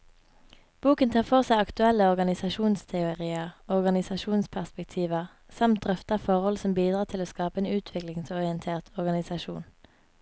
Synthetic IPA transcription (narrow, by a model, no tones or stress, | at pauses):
b̥uːkənt̪ʰɑːfɔʁsæɪɑkt̪ʉɛləɔʁɡɑnɪsɑʃuːnst̪ʰɛʊʁiːəʁɔʁɡɑnɪsɑʃuːnspʰæʁspɛkt̪ʰiːʋəʁ | sɑmt̪̚d̪ʁœft̪əʁfɔʁhɔlsɔmbiːd̪ʁɑːt̪ʰɪloːskɑːpəeːnʉːt̪ʰʋɪklɪŋsɔʁɪənt̪ʰeːʁt̪ɔʁɡɑnɪsɑʃṵːn